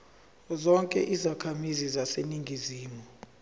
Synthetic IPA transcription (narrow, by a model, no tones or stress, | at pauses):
zɔŋkʼɛ̰ʔizakʰamizizaseniŋɡʱiziːmɔ